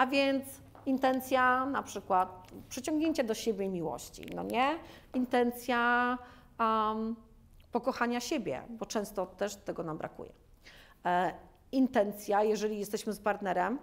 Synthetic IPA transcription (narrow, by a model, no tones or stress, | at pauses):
avʲjɛnt̪s | int̪ɛnt̪sʲjanapʂɘkwat̪̚pʂɛt͡ɕɔ̃ŋɡɲeɲt͡ɕad̪ɔɕebʲjɛmʲiwɔ̰ɕt͡ɕḭnɔ̰ɲɛ | int̪ɛnt̪sʲja | pɔkɔxaɲaɕebʲjɛ̰bɔt͡ʂɛ̃w̃st̪ɔt̪ɛʂt̪ɛɡɔnambɾa̰kṵjɛ̰ | int̪ɛnt̪sʲjajɛʐɛlʲijɛst̪ɛɕmɘspaɾt̪nɛɾɛm